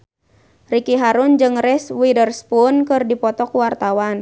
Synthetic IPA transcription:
rikiɦaɾʊnd͡ʒɨŋrɛswidərspʊnkɨrdipɔt̪ɔkuwart̪awan

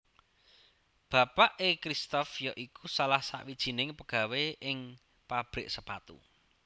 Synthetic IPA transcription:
b̥a̤paʔekɾist̪ɔfjɔʔikusalahsa̰ʔwid̥ʒ̥i̤nɪŋpəɡ̥a̤weʔɪŋ | pab̥ɾɪʔsəpat̪ṵ

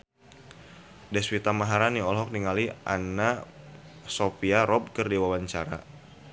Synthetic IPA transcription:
dɛswit̪amaɦaɾaniɔlɦɔk̚niŋaliʔa̰na | sopiaɾɔb̚kərdiwawaɲt͡ʃaɾa̰

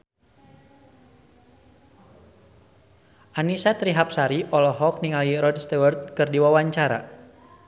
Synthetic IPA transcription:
ʔanisat̪ɾiɦap̚saɾiʔɔlɔɦɔk̚niŋaliɾɔdst̪ɛwərt̪̚kɨrdiwawaɲt͡ʃaɾa̰

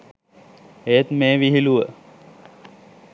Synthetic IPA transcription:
eːt̪meːʋiɦiluʋə

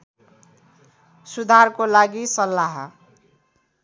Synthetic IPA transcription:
sud̪ʱarkolaɡisʌlːaɦʌ

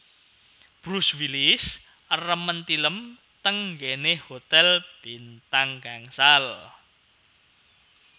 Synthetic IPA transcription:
b̥ɾuswilis | ərəmənt̪iləm | t̪əŋɡenehot̪ɛlb̥int̪aŋɡ̥aŋsal

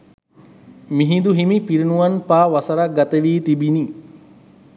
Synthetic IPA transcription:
miɦid̪uɦimipiɾinuʋanpaːʋasɐɾaɡat̪əʋiːt̪ibini

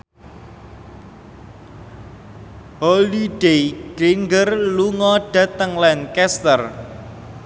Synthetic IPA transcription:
holiɖ̥ejɡ̥ɾiŋɡərluŋɔɖ̥a̤t̪əŋlankɛst̪ər

